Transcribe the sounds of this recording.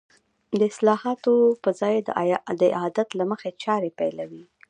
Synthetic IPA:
d̪əɪslɑhɑt̪opəzɑjd̪ə̰d̪əɪ̰ɑd̪at̪laməxet͡ʃɑɾepajlawi

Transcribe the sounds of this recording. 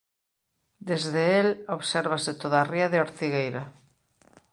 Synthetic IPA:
d̪ezðeeloβseɾβ̞aset̪oðaːriaðeoɾt̪iɣ̞ejɾa

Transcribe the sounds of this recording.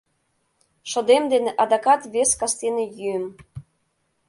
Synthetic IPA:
ʃŏd̪emd̪eneʔɑd̪ɑkɑt̪βeskɑst̪enĕjyəm

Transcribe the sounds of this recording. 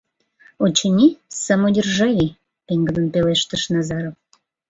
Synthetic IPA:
ot͡ɕənʲisəmodʲərʒɑji | peŋɡənənpeleʃt̪ə̆ʃnɑzɑɾof

